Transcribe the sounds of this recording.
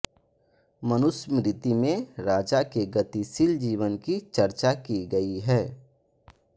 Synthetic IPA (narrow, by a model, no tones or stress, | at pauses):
mɐnʊsmɾɪt̪imẽɾaːd͡ʒakeɡɐt̪isɪld͡ʒiːʋənkit͡ʃɐɾt͡ʃakiɡɐiɦɛː